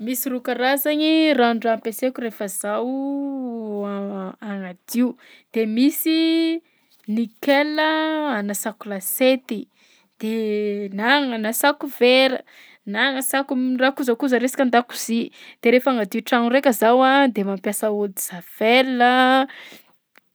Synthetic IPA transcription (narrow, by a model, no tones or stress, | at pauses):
misirukaɾazaɲiraɳɖ͡ʐampesekʲurefəzaw | aŋad̪iu | d̪̥emisi | nikeləanasakulaset̪i | d̪̥enaŋanasakuveɾə | naŋəsakurakuzəkuzəɾesi̥kʲand̪aku̥z̥id̪̥eɾefaŋad̪iuʈ͡ʂaŋurekʲəzawad̪emampjasaud̪iz̥av̥elə